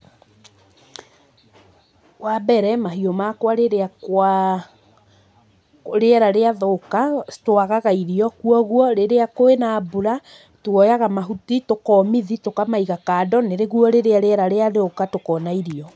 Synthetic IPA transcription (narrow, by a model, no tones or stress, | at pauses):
wabɛɾɛmaɦiɔmakwaɾeɾeakwa | ɾeɛɾaɾeaðokatoaɣaɣaiɾiɔkuɔɣwɔɾeɾeakoenaːbuɾa | twɔjaɣamaɦutitokɔmiðitokamaiɣakaːdɔneɾeɣuɔɾeɾeaɾeɛɾaɾeaðokatokɔːnaiɾiɔ